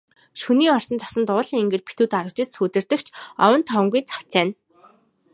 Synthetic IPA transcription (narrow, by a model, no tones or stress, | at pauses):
ʃuniːɔr̥sə̆nt͡sʰḁsə̆nt̪ʊːɮiːŋiŋɡĕːrpʰi̥t̪uːt̪aɾə̆k̚t͡ɕɪ̆t̪suːt̪ɘ̆rt̪ɘ̆kt͡ɕʰɔ̰wə̆nt̪ʰɔw̆ŋɡujt͡sʰḁt͡sæːn